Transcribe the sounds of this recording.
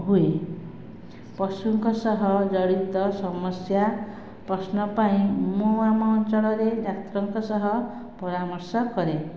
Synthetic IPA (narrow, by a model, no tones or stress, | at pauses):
ɦue | pɔsuŋkɔsɔɦɔd͡ʒɔɽit̪ɔsɔmɔsja | pɾɔsnɔpaĩmuamɔnt͡ʃɔɭɔɾedat̪ɾɔŋkɔsɔɦɔ | pɔɾamɔɾsɔkɔɾe